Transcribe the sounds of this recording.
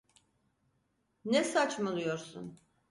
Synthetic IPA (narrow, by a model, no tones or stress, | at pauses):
nɛsat͡ʃmalˠujo̞ɾsṵn